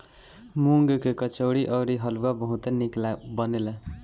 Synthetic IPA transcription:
muŋɡkekʌt͡ʃowɽiʔʌɾiɦʌluwabʌɦũt̪eniklabʌnela

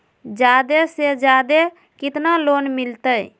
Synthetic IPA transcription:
d͡ʒad̪esed͡ʒjad̪e | kɪt̪nalonmilt̪əj

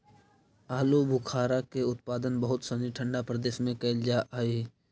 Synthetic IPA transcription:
aːlobʱʊkʰaːɾakeʊt̪̚paːd̪ənbəɦʊt̪sɐniʈʰə̃ɳɖapɾəd̪eːʃmẽkɐɪld͡ʒaʔaːiː

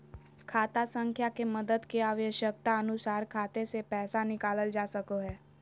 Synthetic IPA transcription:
kʰat̪asə̃ŋkʰjakeməd̪əd̪keaʋəɕək̚t̪aənusaɾkʰat̪esepɛɦsanikaləld͡ʒasəkoɦɛ

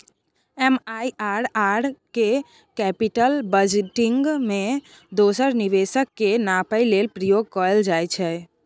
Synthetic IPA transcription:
ɛmajaɾaɽke | kɛpiʈəlbəd͡ʒeʈiŋɡmẽ | d̪osəɾniʋesəkːenapəilelpɾəjoɡ̚kɔəld͡ʒajt͡ʃʰɛ

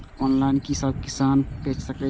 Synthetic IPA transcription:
ɔːnlaːɪnkisəb̚kɪsaːnpẽːt͡ʃsəke

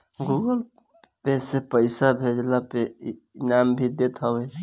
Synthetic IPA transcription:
ɡuɡəl | besepəɪsabʱed͡ʒlape | nambʱid̪et̪ʰəwe

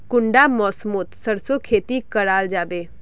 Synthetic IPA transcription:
kʊɳɖamɔːsmoːt̪səɾsokʰeːt̪ikəɽaːld͡ʒaːbeː

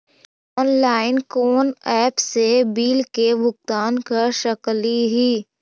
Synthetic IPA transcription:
ɔːnlaːɪnkoːnɛːpsebiːlkebʊkt̪aːnkaʃəkliɦiː

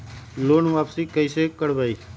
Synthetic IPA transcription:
loːnʋaːpsikəisekəɽbaːiː

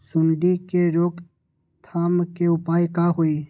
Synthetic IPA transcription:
sʊɳɖikeɾoːɡ | t̪ʰaːmkeʊpaːjkaɦoiː

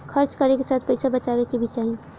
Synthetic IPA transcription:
kʰəɾt͡ʃkəɾekesat̪ʰpəɪsabət͡ʃabekebʱit͡ʃaɦie

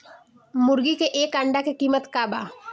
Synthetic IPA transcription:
mʊɾɡikeʔeːkɐ̃ɳɖakekiːmət̪kaːba̰ː

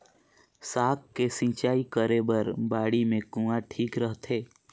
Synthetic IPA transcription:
saːk̚kːesɪ̃ːt͡ʃaːikəɾebəɾbaːɽimẽkũːaʈʰiːkɾəɦt̪ʰeː

